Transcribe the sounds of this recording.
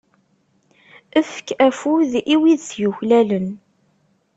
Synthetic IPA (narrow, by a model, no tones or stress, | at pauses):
əfə̥kæfuðiwiðθjuçlælən